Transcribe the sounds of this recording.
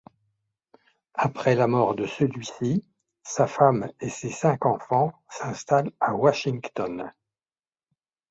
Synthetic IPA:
apχɛlamɔʁd̪əsəlɥisi | safamesesɛ̃kɑ̃fɑ̃sɛ̃st̪alawaʃiŋkt̪ɔn

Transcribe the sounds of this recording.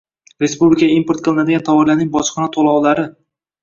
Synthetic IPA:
ɾe̞spublɪkʰʲaaimpoɾt̪̚qʰɨlˠɪnad̪ɪɡʲant̪ʰawɒɾlaɾnɪŋbɒʃqʰɑnat̪ʰolˠɒwlaɾɪ

